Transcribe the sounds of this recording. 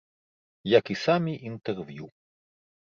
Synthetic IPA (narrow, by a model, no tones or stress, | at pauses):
jakisamʲiʔint̪ɛrvju